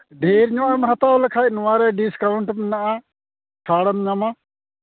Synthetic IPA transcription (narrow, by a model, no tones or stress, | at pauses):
ɖʱeːɾɲõamɦɐt̪aːoləkʰaːnʋaːɾeːɖiskaːʊɳʈmnaaː | ʈʰaːɽəmɲamaː